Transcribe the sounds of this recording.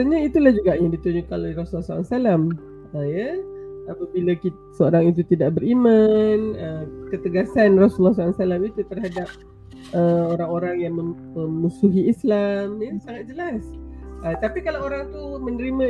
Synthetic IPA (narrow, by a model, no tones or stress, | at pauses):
səɲait̪ulahd͡ʒuɡaʔjaŋdit̪uɲukanojɾasulɔhsala̰salam | əjaapabilaki | səoɾaŋit̪̬ut̪idaʔbəɾimanəkət̪əɡasanrasulːɔhsaasalamit̪ut̪ərɦadap̚ | əoɾaŋoɾaŋjaŋmə̃ | əmusuɦiislamjasaŋat̪̚d͡ʒəlasət̪apikalaoɾaŋt̪umənəɾimə̃